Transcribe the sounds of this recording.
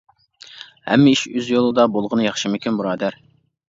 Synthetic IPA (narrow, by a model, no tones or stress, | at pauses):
hɛ̰mːɪiʃøzjolˠɨd̪ɑbolˠʁənɨjɑχʃɨmykʲynbuɾɑːd̪æɾ